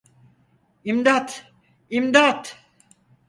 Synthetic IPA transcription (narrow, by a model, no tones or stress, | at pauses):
imd̪at̪ | imd̪at̪